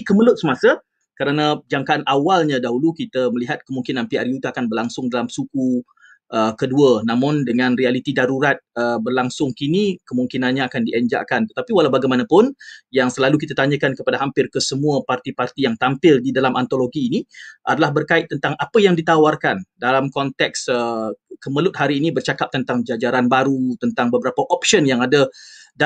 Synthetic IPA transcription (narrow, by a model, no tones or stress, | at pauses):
kəməlʊt̪̚səmasə | kəɾanad͡ʒaŋkaʔanʔawalɲadaɦulukit̪əməliɦat̪̚kəmuŋkinanpiarjut̪uakanbərlaŋsʊŋdalamsuku | ʔəkəduənãmʊndəŋãnrialit̪idaɾuɾat̪̚əbərlaŋsʊŋkinikəmuŋkinanɲaakandiʔəɲd͡ʒa̰ʔkant̪ə̥t̪apiwalaɦbaɡajmanapʊnjaŋsəlalukit̪at̪aɲəkankəpadaɦampɪrkəsəmuəpart̪ipart̪ijaŋt̪ampɪldidalamʔant̪oloɡiːniʔa̰dalahbərkaɪt̚t̪ːənt̪aŋapəjaŋdit̪awarkandalamkɔnt̪ɛksəkəməlʊt̪̚haɾiːnibərt͡ʃakap̚t̪ənt̪aŋd͡ʒad͡ʒaɾanbaɾut̪ənt̪aŋbəbəɾapaʔɔp̚ʃənjaŋadada